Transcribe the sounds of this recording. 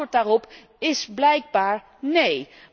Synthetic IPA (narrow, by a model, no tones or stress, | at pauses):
ɹt̚daːrɔp | ɪsblɛjɡ̚baːɹ | nej